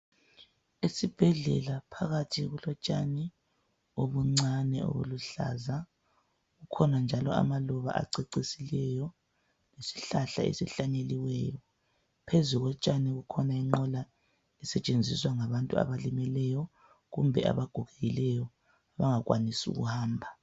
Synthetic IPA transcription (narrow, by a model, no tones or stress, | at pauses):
esib̥ʱɛɮɛ̰lapʰaɣatʰiɣulɔt͡ʃʼani | oβuŋ͡ǀanɛo̰βṵluɬa̰za | ɣukʰɔnand͡ʒʱalɔa̰malɔβa̰ʔa̰ǀeǀisilɛjɔ | nesi̥ɬaɬa̰ḛsɛɬaɲeliwɛːjɔ | pʰezuɣɔt͡ʃʼanɛɣukʰɔnaiŋ͡ǃɔla | ɛsɛt͡ʃʼend͡zʱiswaŋaβantʼua̰βalimɛlɛjɔ | ɣumbʱɛʔa̰βaɡ̥ʱuɣɛɣilɛjɔ | aβaŋaɣwʔa̰nisṵɣṵhaːmbʱa